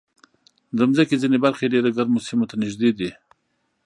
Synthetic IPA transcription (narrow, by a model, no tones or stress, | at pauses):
d̪amzakezinebaɾxeɖeɾaɡaɾmosimot̪anɪʒd̪ed̪i